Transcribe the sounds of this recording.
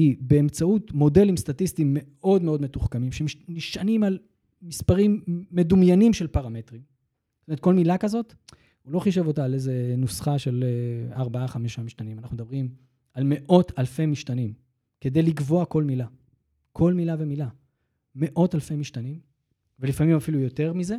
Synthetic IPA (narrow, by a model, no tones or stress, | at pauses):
ibe̞ːmt͡sautmo̞de̞limst̪atist̪imːe̞ʔo̞dme̞odmetuχkamimʃeniʃanimal | mispaʁimːe̞dumjanimʃe̞lpaʁame̞tʁim | tometko̞lmilakazo̞t | ulo̞χiʃ̬e̞vo̞taːlejzenusχaʃe̞laʁbaaχameʃamiʃtanimanaχnumed̪abʁim | alme̞ʔo̞talfe̞miʃtanim | ke̞d̪e̞jliɡvo̞ako̞lmila | kʰo̞lmilave̞mila | me̞ʔo̞talfemiʃtanim | velifamimafilujo̞te̞ʁmize̞